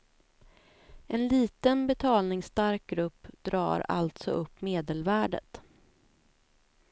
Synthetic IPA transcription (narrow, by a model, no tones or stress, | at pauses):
ɛnliːt̪ənbɛt̪ʰɑːlnɪŋst̪aɾk̚ɡɾɵpːd̪ɾɑ̰ːɾa̰lt̪sɔ̰ʔɵpːmeːd̪əlvæːɖə̰t̪